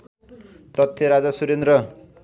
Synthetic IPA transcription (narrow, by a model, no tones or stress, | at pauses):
t̪ʌt̪ʰːjʌɾad͡zasuɾend̪ɾʌ